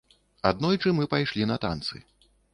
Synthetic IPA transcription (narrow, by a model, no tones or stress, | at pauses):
ad̪nɔjt͡ʂɨmɨpajʂlʲinɐt̪a̰nt̪sɨ̰